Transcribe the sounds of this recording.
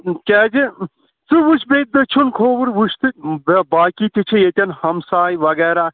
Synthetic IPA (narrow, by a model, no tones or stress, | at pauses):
kʲɛːd͡ʒi | t͡sɨʋuʃbeːt̪̚d̪ɨt͡ʃʰunkʰoːʋɨɾʋuʃt̪ɨbaːkit̪ʲit͡ʃʰijet̪ʲɐnhɐmsaːjʋɐɡɛːɾaː